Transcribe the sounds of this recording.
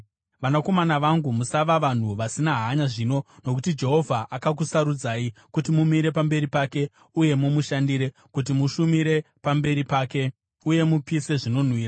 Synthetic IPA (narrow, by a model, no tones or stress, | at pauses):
ʋanako̞manaʋaŋɡumusaʋaʋan̤uʋasinaɦaɲaʐino̞no̞kutid͡ʒe̞ɦo̞vʱaʔakak̬usaɾud͡zaːikutimumiɾe̞pambe̞ɾipaːke̞ | uje̞mumuʃandiɾe̞ | kut̬imuʃumiɾe | pambe̞ɾipaːke̞ | uje̞mupise̞ʐino̞n̤wiːra